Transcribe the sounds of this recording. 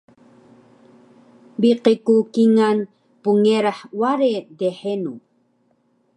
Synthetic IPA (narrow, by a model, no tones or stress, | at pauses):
biqekukiŋan | puŋeɾaħwaɾed̪eħenu